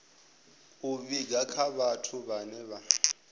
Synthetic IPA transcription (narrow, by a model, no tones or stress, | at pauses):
uβiɡakʰaβatʰuβanɛβa